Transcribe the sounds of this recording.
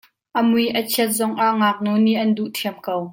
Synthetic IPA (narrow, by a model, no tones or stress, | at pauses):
ʔəmujʔɐt͡sʰiət̪̚zɔŋʔaʔŋaːk̚nuniʔɐnduʔtʰiəmkow